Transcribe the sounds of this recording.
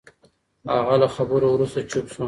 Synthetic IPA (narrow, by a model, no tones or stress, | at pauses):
a̰ɣalaxabəɾowɾust̪at͡ʃupʃu